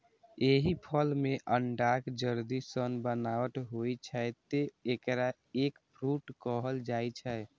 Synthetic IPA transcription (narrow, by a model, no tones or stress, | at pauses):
eɦipʰəlmeʔəɳɖakd͡ʒəɾd̪isənbənaʋət̪ɦojt͡ʃʰɛt̪eekɾa | ekpʰɾuʈkɔɦəld͡ʒajt͡ʃʰɛ